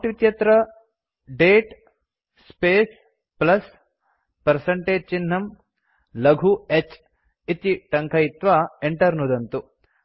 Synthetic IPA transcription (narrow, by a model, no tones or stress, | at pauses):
ʈʋit̪jɐt̪ɾɐ | ɖeːʈ | speːs | plɐs | pɐɾsɐɳʈeːd͡ʒ̚t͡ʃinːɐm | lɐɡʱuet͡ʃ | it̪iʈɐŋkʰɐjit̪ʋaeɳʈɐɾnud̪ɐnt̪u